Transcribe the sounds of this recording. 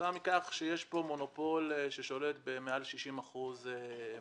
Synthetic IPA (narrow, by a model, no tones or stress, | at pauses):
amikaχʃejeʃbo̞mo̞no̞po̞leʃeʃo̞le̞t̪bemealʃiʃimaχuze